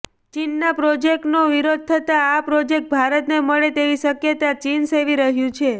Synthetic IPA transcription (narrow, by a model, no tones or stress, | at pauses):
t͡ʃinːapɾod͡ʒek̚ʈnoʋiɾod̪̚t̪ʰət̪aːpɾod͡ʒek̚ʈ̚bʱaɾət̪neməɭet̪eʋisəkjət̪at͡ʃinseʋiɾəɦjũt͡ʃʰe